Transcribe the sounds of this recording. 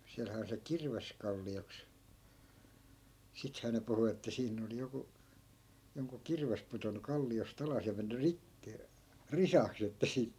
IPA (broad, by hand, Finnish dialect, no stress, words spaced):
siælhæː on se kirʋeskɑlːioks sithæː ne puhu etːæ siːnː oli joku joŋku kirʋes putonːu kɑlːiost ɑlɑs jɑ menːy rikːi risɑks jotːɑ siːt